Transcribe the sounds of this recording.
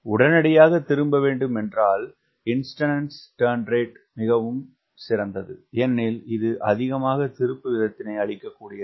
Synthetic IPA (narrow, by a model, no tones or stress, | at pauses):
ʊɽɐnɐɽɐjaːɣɐt̪ːɪɾɯmbɐʋeːɳɖɯmɛndraːl | ɪnsʈɐnɐnsʈɐːɾnɾeːʈ | mɪɣɐʋɯm | sɪɾɐnd̪ɐðɯɛnːɪlɪðɯʔɐðɪɣɐmaːɣɐt̪ɪɾɯpːɯʋɪðɐt̪ːɪnɐɪɐɭɪkːɐkːuːɽɪjɐ